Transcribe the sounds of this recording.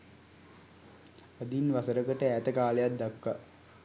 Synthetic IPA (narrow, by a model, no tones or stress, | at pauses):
ad̪inʋasəɾəkəʈəæːt̪əkaːləjat̪̚d̪akːa